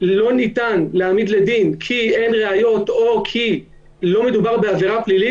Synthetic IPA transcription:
lo̞nit̪anleamid̪le̞d̪inkʰie̞nʁe̞ajo̞t̪o̞kʰi | lo̞med̪ubaʁbeaveʁaplili

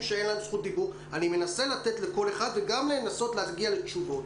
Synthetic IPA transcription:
ʃee̞nlamsχut̚dibuʁ | anime̞naselate̞tle̞ko̞le̞χad̪veɡamleːnaso̞tleaɡiale̞t͡ʃuvo̞t

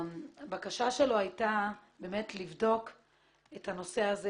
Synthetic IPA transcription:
bakaʃaʃe̞lo̞ajtabe̞ːme̞tlivdo̞k | ethano̞se̞aze

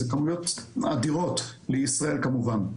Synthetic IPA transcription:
ekamujot̪ad̪iʁo̞t̪leisʁae̞lkamuvan

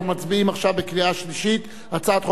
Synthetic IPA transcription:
mat͡sbiimaχʃavbekliaʃliʃit̪ | at͡saːt̪χo

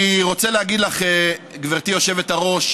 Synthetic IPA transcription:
iʁo̞t͡seleaɡid̪laχɡveʁt̪ijo̞ʃe̞vet̪aʁo̞ʃ

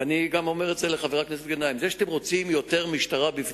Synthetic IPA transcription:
aniɡamo̞me̞ʁetzeleχaveʁakneset̪̚ɡenaimzeʃat̪emʁo̞t͡simjo̞te̞ʁmiʃtaʁabif

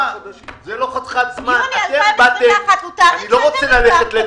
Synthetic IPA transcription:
zeloχat̪χat̪zmanatebat̪eut̪anilo̞ʁot͡selaleχet̪le

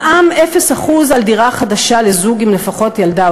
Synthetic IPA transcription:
ʔamefe̞saχuzaldiʁaχadaʃale̞zuɡimle̞faχo̞tjalda

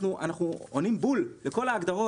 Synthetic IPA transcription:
nuʔa̰naχnuonimbulle̞ko̞laːɡd̪aʁo̞

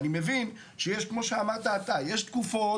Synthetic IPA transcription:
nimevin | ʃejɛʃkmoʃeamaʁt̪aːt̪ajeʃt̪kufo

